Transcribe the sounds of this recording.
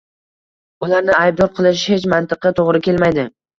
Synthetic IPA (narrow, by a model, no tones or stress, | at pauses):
ʊlaɾnɪajb̚d̪ɒɾqʰɨlˠɪʃ̬het͡ʃmant̪ɨqɨt̪ʰoʁɾɪkʲe̞lmajd̪ɪ